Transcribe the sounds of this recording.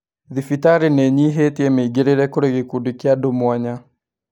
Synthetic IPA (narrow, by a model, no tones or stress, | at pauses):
ðifitaɾeneɲiɦeteɛmeiɡeɾeɾɛkoɾeɣekudikjadomwaɲa